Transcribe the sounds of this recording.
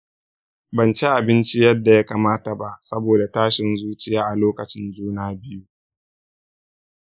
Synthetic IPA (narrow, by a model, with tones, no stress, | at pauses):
bɐ˨nt͡ʃe˦ʔa˨bɪ˦nt͡ʃi˦jɐ˦dːa˨ja˦kaː˨maː˦ta˨ba˦ʔsɐ˦boː˨da˨taː˦ʃɪ˨nzuː˦t͡ʃɪ˦jaː˦ʔa˨loː˦kɐ˨t͡ʃɪ˦nd͡ʒuː˦naː˨bɪ˦ju˦